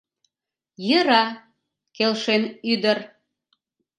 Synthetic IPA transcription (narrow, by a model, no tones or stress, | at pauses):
jəɾɑ | kelʃenyd̪ər